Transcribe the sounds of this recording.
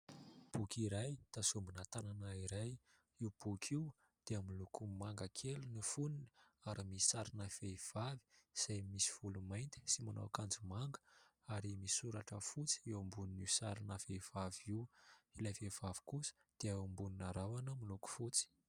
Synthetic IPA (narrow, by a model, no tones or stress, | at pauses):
b̥ukiɾajt̪asumbunat̪ananaiɾaj | iwb̥ukʰiw | d̪̥eamilukumaŋɡakʰelunifunini̥aɾimii̥saɾinafeiv̥avi̥z̥ajmisi̥v̥ulumajnt̪i̥simana̰wakand͡zumaŋɡə̥ | aɾimiisuɾaʈ͡ʂəfut͡si̥iwambuniniwsaɾinafev̥aviwilavev̥avi̥kusə̥ | d̪̥eaambuninaɾawanəmiluku̥fut͡si̥